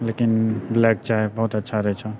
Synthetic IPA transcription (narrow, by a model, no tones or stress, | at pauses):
leːkɪnblɛːk̚t͡ʃaebɐɦut̪ɐtːʃʰaɾɛt͡ʃʰa